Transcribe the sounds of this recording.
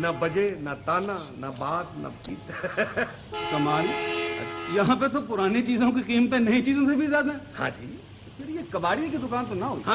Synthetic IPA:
nɐbɐd͡ʒenɐt̪aːnãnɐbaːt̪nɐ̰pit̪ | kɐmaːlɐ̰jɐɦãp̬et̪̬opʊɾaːnet͡ʃiːzõkiqiːmət̪ɛ̃nɐĩt͡ʃiːzõsebʱizjaːd̪ɛ̃ːhã̰ːd͡ʒiː | pʰɪɾjekɐbaːɽikid̪ʊkaːnt̪onɐɦoiã

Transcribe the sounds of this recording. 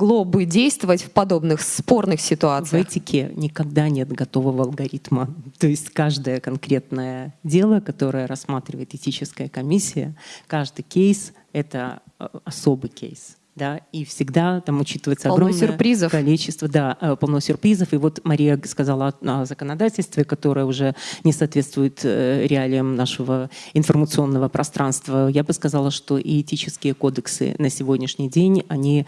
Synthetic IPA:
ɡlˠobɨdʲejst̪vəvətʲfpɐd̪o̞bnɨxspornɨxsʲɪt̪ʊat̪svɨɛtʲɪkʲḛnʲɪkɐɡd̪anʲe̞t̪ɡɐt̪o̞vəvəɐlˠɡɐɾʲit̪mət̪o̞jɪsʲtʲkaʐd̪əjəkɐnkɾʲe̞t̪nəjədʲe̞lˠəkɐt̪o̞ɾəjəɾɐsmat̪ɾʲɪvəjɪt̪ɨtʲit͡ɕɪskəjəkɐmʲisʲːɪjə̰kaʐd̪ɨjkʲejs | ɛt̪ə | ɐso̞bɨjkʲḛjs | d̪aifsʲɪɡd̪at̪amʊt͡ɕit̪ɨvəjɪt̪səɐɡɾomsɪrjəpɾʲizəfkɐlʲit͡ɕɪst̪vəd̪apɐlˠnosʲɪrpɾʲizəfɨvo̞t̪mɐɾʲijəskɐzalˠəɐzəkənɐd̪atʲɪlʲst̪vʲɪkɐt̪o̞ɾɨjəʊʐɛnʲɪsɐaːt̪vʲe̞t̪t̪vʊjɪt̪ɾʲɪalʲɪjəmnaʂɨvəɪnfərmət̪sɨo̞nːəvəpɾʔɐst̪ɾanst̪vəjabɨskɐzalˠəʂt̪o̞ʔɪɪtʲit͡ɕɪskʲɪjəkod̪əksɨ̰nəsʲɪvo̞dʲnʲɪʂnʲɪjdʲenʲɐnʲi

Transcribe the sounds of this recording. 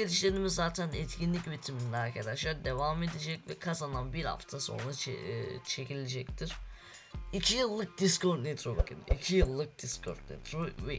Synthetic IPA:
eɾiʃlʲed̪imizːaːt̪ʰænɛt̪cʰinlʲicbit̪ʰiminlʲɛaɾkʰad̪aʃlˠaɾd̪e̞vame̞d̪ed͡ʒɛcvɛkʰazananbiɾha̰ft̪ʰaso̞̰nɾat͡ʃʰe̞cʰilʲed͡ʒɛc̚t̪ʰiɾ̥ | icʰijɯlˠːɯk̚d̪iskoɾt̪net̪ʰɾobakʰɯ̰nḭcʰijɯlˠːɯk̚d̪iskʰo̰ɾt̪̚nḛt̪ʰɾovɛ

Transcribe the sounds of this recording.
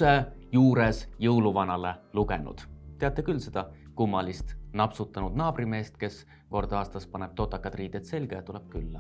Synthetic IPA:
ejuːɾesjɤwluvɑnɑle̞luɡ̥enṵd̪̥t̪e̞ɑt̪ːˑe̞kylse̞d̪̥ɑ | kumːɑlist̪nɑpsut̪ːˑɑnud̪̥nɑːb̥rime̞ːst̪ke̞s | ko̞rd̪̥ɑːst̪ɑspɑneb̥̚t̪o̞t̪ːˑɑkːˑɑt̪riːd̪̥et̪se̞lʲɡ̥ejɑt̪uleb̥̚kylːɑ

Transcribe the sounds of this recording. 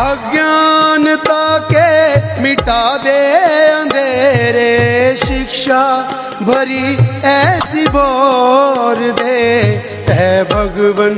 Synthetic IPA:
ɐɡjant̪akemiʈad̪eɐ̃nd̪ʱeɾeʃikʃa | bʱɐɾiɛsibɔ | ɾd̪eː | t̪ɛbʱɐɡʋɐn

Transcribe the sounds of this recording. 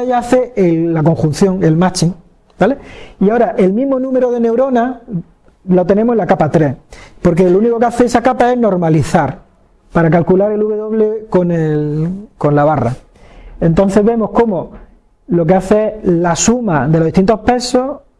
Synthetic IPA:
jaaθe̞lːako̞ŋxũn̟θjõ̞ŋe̞lmat͡ʃiŋ | bale̞iao̞ɾaʔe̞lmĩɦmo̞nũme̞ɾoðe̞ne̞wɾo̞na | lot̪e̞nemoelakapat̪ɾe̞hpo̞ɾke̞louniko̞keaθeesakapae̞no̞ɾmaliθaɾ | paɾakalkulaɾe̞luβe̞ðoβleko̞nelko̞nlaβara̰ | ẽ̞nt̪o̞n̟θe̞ɦβe̞mo̞hko̞mo̞ | lo̞k̬eaθeelasumaðelo̞ðit̪int̪o̞hpe̞so̞

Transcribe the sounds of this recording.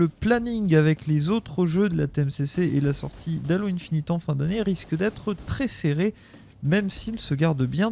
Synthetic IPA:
əplaniŋavɛklezot̪χəʒød̪əlat̪eɛmseseʔelasɔ̰ʁt̪ʰid̪aloɛ̃nfinit̪ɑ̃fɛ̃d̪aneʁiskəd̪ɛt̪χət̪χɛseʁe | mɛmsilsəɡaʁd̪bjɛ̃

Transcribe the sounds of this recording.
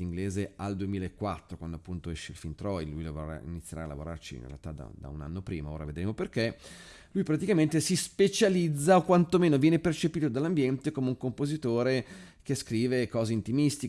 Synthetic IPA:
iŋɡleːzeald̪uemiːlaekːwat̪ːɾokwand̪oapːunt̪oɛʃːeilfint̪ɾɔjlujlavoɾa̰ḭnit̪sːjeɾa̰ːla̰voɾa̰rt͡ʃḭnrḛlt̪ad̪a̰d̪a̰una̰nːopɾiːmaoːɾa̰ved̪ɾeːmoperke | lujpɾat̪̬ikament̪esispet͡ʃalid̪zːaokwant̪omeːnovjɛːnepert͡ʃepiːt̪od̪alːambjɛnt̪ekomeuŋkompozit̪oːɾe | k̟eskɾiːvekɔːzeint̪imist̪i

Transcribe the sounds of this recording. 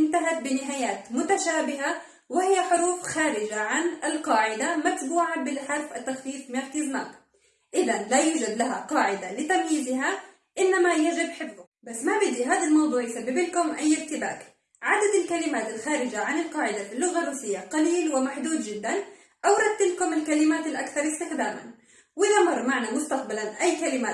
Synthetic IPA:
ʔɪnt̪aɦat̪̚bɪnɪɦaːjaːt̪mʊt̪aʃaːbɪɦa | wɪhɪjːaħʊɾuːfxaːɾɪd͡ʒaʕanɪlqɑːʕɪd̪amat̪buːʕabɪlħɑɾˤfʔat̪ːaxfiːfmaɾkiːzma̰ːk̪ | ʔɪðanlajuːd͡ʒad̪laɦaqɑːʕɪd̪alɪt̪amjiːzɪɦa | ʔɪnːamajad͡ʒɪbħɪbːʊ | basːmabɪd̪iɦaːðalmɑwðˤuːʕjɪsabːɪbɪlkʊmʔajːɪɾt̪ɪbaːk | ʕad̪ad̪ɪlkalɪmaːt̪ɪlxaːɾɪd͡ʒaʕanɪlqɑːʕɪd̪afilːʊɣarːˤuːsɪjːaqɑliːlwɪmaħd̪uːd̪d͡ʒɪd̪ːan | ʔawɾˤɑt̪ːɪlkʊmɪlkalɪmaːt̪ɪlʔakθɑɾˤɪst̪ɪxd̪aːma̰n | wʔɪðamɑrˤːmaʕnamʊst̪aq̚balanʔajːkalɪmaː

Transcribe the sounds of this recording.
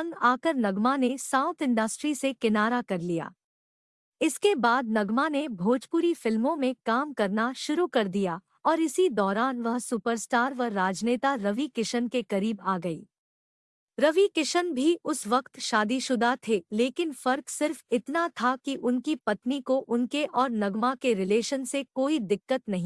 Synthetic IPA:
ŋɡaːkəɾnɐɡmanesãːʊ̃t̪ʰɪ̃ɳɖəsʈɾisekɪnaːɾakɐɾlija̰ː | ɪskebaːd̪nɐɡmanebʱoːd͡ʒpuɾifɪlmõmẽkaːmkɐɾnaʃʊɾukɐɾd̪ija | ɔːɾɪsid̪ɔːɾaːnʋɐɦsupəɾsʈaːɾʋɐːaːd͡ʒneːt̪aɾɐʋikɪʃənkekɐɾiːbaːɡɐḭː | ɾɐʋikɪʃənbʱiʔʊsʋɐqt̪ʃaːd̪iʃʊd̪at̪ʰeleːkɪnfɐɾksɪɾfɪt̪nat̪ʰakiʔʊnkipɐt̪nikoʔʊnkeʔɔːɾnɐɡmakeɾɪleːʃənsekoːid̪ɪkːət̪nɐɦĩː

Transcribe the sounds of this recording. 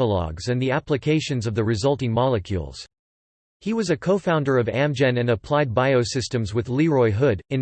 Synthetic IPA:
əlɑ̰ɡzɨ̃nðiæplɨkʰeɪʃɨ̃nzʌvðɨɹɨzʌlˠtɪ̃ŋmɑlˠəkʰjʉ̰lˠz̥ | hiwʌzɨkʰoʊfãʊ̃ndə˞ʌvæ̃md͡ʒɛ̃nɨ̃nɨpʰl̥aɪd̚baɪoʊsɪstɨ̃mzwɨðliɹɔɪɦʊɾɨ̃n

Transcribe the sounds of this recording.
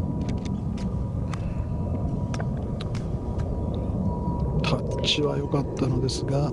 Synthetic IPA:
t̪ʰa | t͡ɕiβajo̞kat̪ːano̞d̪e̞sɨɡa

